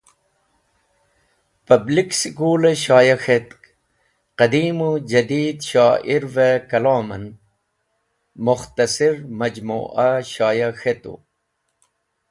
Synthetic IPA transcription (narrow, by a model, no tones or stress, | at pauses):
pɐbliksikuːleɕaːjɐxet̪ | qɐd̪iːmud͡ʑɐd̪iːd̪ɕaːʔiɾvekɐlaːmɐn | muxt̪ɐsiɾmɐd͡ʑmṵːʔɐɕaːjɐxet̪ṵ